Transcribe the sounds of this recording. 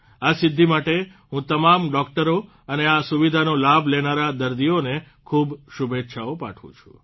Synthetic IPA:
asɪd̪ʱːimaʈe | ɦũt̪əmamɖɔk̚ʈəɾo | əneasuʋid̪ʱanolabʱlenaɾad̪əɾd̪ijone | kʰubʃubʱet̪ːʃʰaopa̰ʈʰʋṵ̃t͡ʃʰũ̥̰

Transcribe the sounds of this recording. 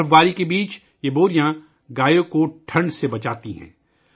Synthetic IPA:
ɡaːɾikebiːt͡ʃ | jeboːɾijã | ɡaːjõkoʈʰɐ̃ɳɖsebɐt͡ʃaːt̪iɦɛ̰̃ː

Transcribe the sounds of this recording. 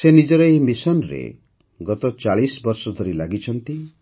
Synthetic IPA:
senid͡ʒɔɾɔeimisɔnɾḛ | ɡɔt̪ɔt͡ʃaɭisbɔɾsɔd̪ʱoɾilaɡit͡ʃʰɔnt̪i

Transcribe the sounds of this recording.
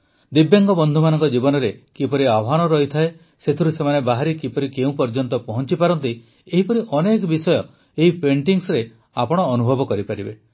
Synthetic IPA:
d̪ibjaŋɡɔbɔnd̪ʱumanɔŋkɔd͡ʒibɔnɔɾekipɔɾiabɦanɔɾɔɦit̪ʰae | set̪ʰiɾusemanebaɦaɾikipɔɾikeũpɔɾd͡ʒɔnt̪ɔpɔɦɔnt͡ʃipaɾɔnt̪i | eɦipɔɾiʔɔnekɔbisɔjɔ | eɦipʰeɳʈiŋsɾe | apɔɽ̃ɔːnubʱɔbɔkɔɾipaɾibe

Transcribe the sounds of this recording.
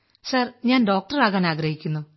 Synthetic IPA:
sɐrɲaːnɖo̞ːk̚ʈɐraːɣaːnaːɡɾɐhikʲːunːu

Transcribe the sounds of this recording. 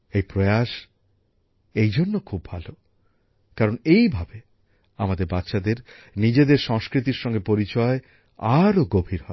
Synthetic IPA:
ejpɾoeaʃ | ejd͡ʑonːokʰubːʱa̰lo | kaɾonejbʱabe | amad̪eɾbat̪ːʃad̪eɾ | nid͡ʑed̪eɾʃɔŋskɾit̪̬iɾʃɔŋɡepoɾit͡ɕɔe | aɾoɡobʱiɾɦɔ

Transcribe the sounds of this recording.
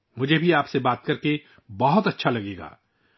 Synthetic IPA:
mʊd͡ʒʱebʱiaːpsebaːt̪̚kɐɾke | bɐɦʊt̪ɐtːʃʰalɐɡeːɡa̰ː

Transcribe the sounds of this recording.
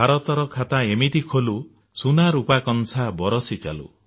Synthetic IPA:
bʱaɾɔt̪ɔɾɔkʰat̪aemit̪ikʰolu | sunaɾupakɔnsabɔɾɔsit͡ʃa̰lṵ

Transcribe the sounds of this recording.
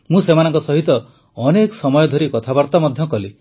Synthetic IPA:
mũsemanɔŋkɔsɔɦit̪ɔ | ɔneksɔmɔjɔd̪ʱɔɾikɔt̪ʰabɔɾt̪amɔd̪ʱjɔkɔli

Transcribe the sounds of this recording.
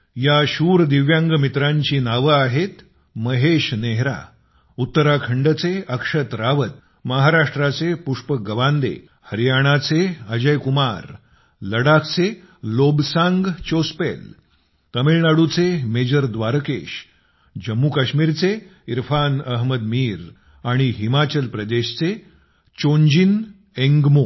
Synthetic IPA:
jaɕuːɾd̪iʋjãŋɡmit̪ɾãɲt͡ɕiːnaʋəaɦet̪ | məɦeɕneɦɾa̰ | ut̪ːəɾakʰəɳɖət͡seəkʂət̪ɾaʋət̪̚ | məɦaɾaʂʈɾat͡sepuʂpəɡəʋand̪ḛ | həɾijaɽ̃at͡seəd͡ʑəjkumaɾ | ləɽakʰt͡se | lobsãŋɡt͡ɕospel | k̪əmilnaɽut͡semed͡ʑəɾd̪ʋaɾkḛɕ | d͡ʑəmːukaɕmiːɾt͡seiɾfanəɦməd̪miːɾ | aɽ̃iɦimat͡ɕəlpɾəd̪eɕt͡se | t͡ɕoɲd͡ʑin | ẽŋɡmo

